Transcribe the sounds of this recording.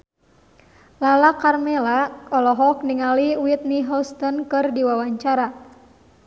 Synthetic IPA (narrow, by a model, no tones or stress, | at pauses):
lalakarmɛlaɔlɔɦɔk̚niŋaliwit̪̚niɦɔst̪ɔnkɨrdiwawaɲt͡ʃaɾa